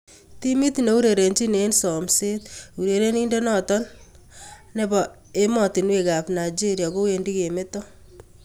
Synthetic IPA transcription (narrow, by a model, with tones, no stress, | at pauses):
ti˦mi˦tne˨u˦ɾe˨ɾe˨nd͡ʒi˦ne˦nsɔ˨mse˦tu˨ɾe˨ɾe˦ni˦nde˦nɔtɔ˦n | ne˦bɔ˨ | e˦mɔ˨ti˨nwe˦ka˨pna˨jd͡ʒi˦ɾja˨ko˦we˨ndi˦ke˨me˦tɔ˦